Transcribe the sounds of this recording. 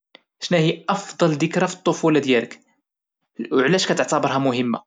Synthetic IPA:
ʃnæhiʔɑfd̪ˤɑld̪əkɾæfi̥t̪ˤːofulɑd̪jælək | wʕlæʃkæt̪əʕt̪æbəɾɦamʊhəmːa̰

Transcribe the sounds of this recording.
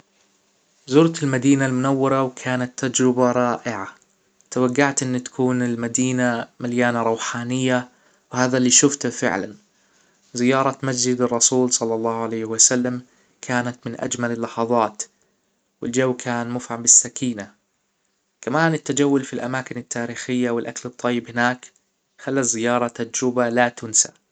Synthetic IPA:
zuːɾt̪ɪlmad̪iːnalmʊnawːɪɾawkʰaːnat̪ːad͡ʒɾɪbaɾˤɑːʔɪʕa | t̪awaɡːaʕt̪ʔɪnːt̪ḁkuːnɪlmad̪iːnamaljaːnaɾˤɑwħaːnɪjːa | whaːðalːiːʃʊft̪afɪ̰ʕla̰n | zɪjɑːɾˤɑmasd͡ʒɪd̪ɨrˤːɑsuːlsˤɑlːɑlˤːɑːhʕalajhɪwasalːam | kʰaːnat̪mɪnʔa̰d͡ʒmalɪlːɑħɑðˤɑːt̪ | wɪld͡ʒawːkʰaːnmʊfʕambɪsːakiːna | kamaːnɪt̪ːad͡ʒawːʊlfilʔa̰maːkɪnɪt̪ːaːɾiːxɪjːawɪlʔaklɨt̪ˤːɑjːɪbhɪnaːk | xalːazːɪjɑːɾˤɑt̪ad͡ʒɾɪbalat̪ʊnsa̰

